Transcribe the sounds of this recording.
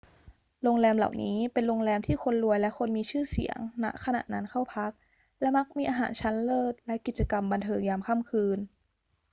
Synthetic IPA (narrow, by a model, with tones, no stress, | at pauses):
loː˧ŋlɛː˧mla̰˨˩wniː˦˥pe˧nlo˧ŋlɛː˧mt̪ʰiː˥˩xʰo˧nlu˧əjlɛ˦˥ʔkʰo˧nmiː˧t͡ɕʰɯː˥˩sḭ˨˩˦ə̰˦ŋna̰˦˥ʔkʰa˧na̰ː˨˩t̪nʔa˦˥nkʰa˥˩wpʰa˦˥k̚ | lɛ˦˥ma˦˥k̚miː˧ʔaː˧ɦa̰ː˩˦nt͡ɕʰa˦˥nlɤː˥˩t̪̚lɛ˦˥ki˨˩t͡ɕa˧ka˧mba˧nt̪ʰɤː˧ŋjaː˧mkʰa˥˩mkʰɯː˧n